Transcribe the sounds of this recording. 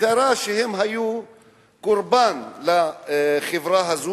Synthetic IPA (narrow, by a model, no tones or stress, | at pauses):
aɾˤaːʃɪhɪmɦaju | kʊɾbaːnlaxɪvɾaɦazu